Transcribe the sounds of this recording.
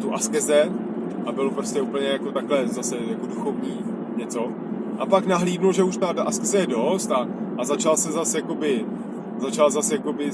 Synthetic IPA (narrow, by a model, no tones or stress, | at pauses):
t̪uʔaskɛzɛ | ʔabɪlopɾoscɛuːpl̩ɲɛjako̞t̪aklɛzasɛjako̞duxo̞vɲiː | ɲɛt͡so̞ | ʔa̰paknaɦliːdnulʒɛuʃt̪adʔaskɛzɛjɛdost̪aʔazat͡ʃalsɛzasjako̞bɪ | zat͡ʃalzasjako̞bɪ